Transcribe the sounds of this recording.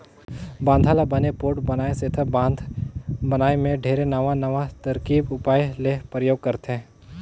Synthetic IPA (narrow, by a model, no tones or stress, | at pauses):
bãːnd̪ʱaːlabɐnepoːʈbɐnaːeseːt̪ʰəbãːnd̪ʱbɐnaːemẽɖʱeːɾenɐʋanɐʋat̪ɐɾkiːbʊpaːjlepɾəjoːɡ̚kɐɾt̪ɦɛ̃ː